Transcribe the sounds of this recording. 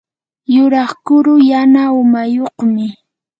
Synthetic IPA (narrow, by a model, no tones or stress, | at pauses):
jʊɾɑχkʊɾʊjanaʊmajoqmɪ